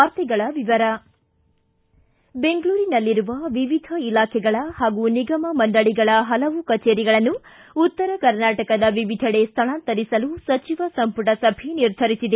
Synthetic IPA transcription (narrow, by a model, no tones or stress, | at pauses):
aːɾt̪iɡɐɭɐʋiʋɐɾɐ | be̞ŋɡɐɭuːɾinɐlːiɾuʋɐʋiʋid̪ʱɐilaːkʰɛɡɐɭɐhaːɡuniɡɐmɐmɐɳɖɐɭiɡɐɭɐɦɐlɐʋukɐt͡ʃeːɾiɡɐɭɐnːu | ut̪ːɐɾɐkɐɾnaːʈɐkɐd̪ɐʋiʋid̪ʱɐɽest̪ʰɐɭaːnt̪ɐɾisɐlusɐt͡ʃiʋɐsɐmpuʈɐsɐbʱiniɾd̪ʱɐɾisid̪e